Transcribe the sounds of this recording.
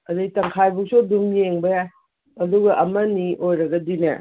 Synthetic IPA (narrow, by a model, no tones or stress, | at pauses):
ɐdatɐŋkʰajbuk̚sodumjeŋbɐja | ɐduɡɐʔɐmɐniʔojɾɐɡɐdinɐ̰